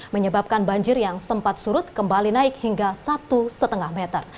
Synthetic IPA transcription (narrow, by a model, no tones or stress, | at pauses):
məɲəbap̚kanbaɲd͡ʒɪrjaŋsəmpat̪̚suɾʊt̪̚kəmbalinaɪkhiŋɡasat̪usət̪əŋahmɛt̪ər